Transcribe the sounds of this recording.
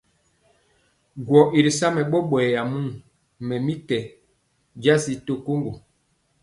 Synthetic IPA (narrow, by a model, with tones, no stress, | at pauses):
ɡwɔ˨ʔi˨ɾi˨sa˦mɛ˨ɓɔ˦ɓwɛː˨ja˨mu˦ŋ | mɛ˨mi˦kɛ˨ | d͡ʒa˦si˦to˦ko˦ŋɡo˨